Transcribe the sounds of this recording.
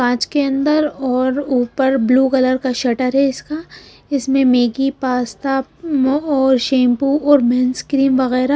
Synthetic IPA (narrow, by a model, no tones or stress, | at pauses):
kãːt͡ʃkeɐ̃nd̪əɾɔːɾuːpəɾbluːkɐləɾkaʃɐʈəɾɦɛɪska | ɪsmẽmeːɡipaːst̪a | ɔːɾʃẽːmpuɔːɾmɛ̃ːnskɾiːmʋɐɣɛːɾa